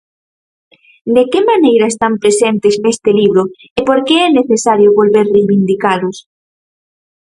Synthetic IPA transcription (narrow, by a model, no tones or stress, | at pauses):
d̪ekemanejɾɐest̪ampɾesent̪eznest̪eliβ̞ɾo | epoɾkeɛneθesaɾjoβolβeɾrejβind̪ikalʊs